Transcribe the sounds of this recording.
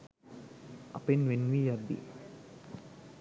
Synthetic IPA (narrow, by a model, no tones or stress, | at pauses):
ʔɐ̰penʋenːʋiːjad̪ːḭ